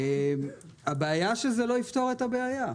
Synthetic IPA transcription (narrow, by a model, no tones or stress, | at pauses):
em | abeajaʃezelo̞ift̪o̞ʁet̪abeaja